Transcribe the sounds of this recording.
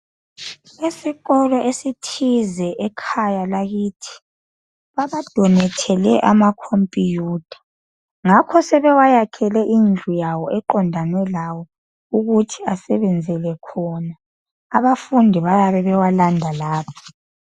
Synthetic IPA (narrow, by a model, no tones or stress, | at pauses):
esiɣɔlɔʔesitʰizɛʔɛkʰajalaɣiːtʰi̥ | βaβad̥ʱɔnɛtʰɛlɛʔamakʰompʼijuːd̥ʰʱḁ | ŋakʰɔsɛβɛwajakʰɛlɛʔind͡ɮʱujawɔʔɛǃɔndʱanwɛlawɔ | uɣutʰiasɛβɛnd͡zʱɛlɛkʰɔnaː | βafundʱiβajaβɛβɛwalandʱalaːpʰɔ̥